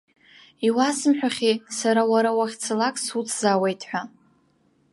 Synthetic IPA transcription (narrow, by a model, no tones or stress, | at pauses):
iwasɨmħʷᶣaχʲisaɾawaɾawaχʲt͡sʰalakʼsut͡sʰzawe̞jtʰʼħʷᶣa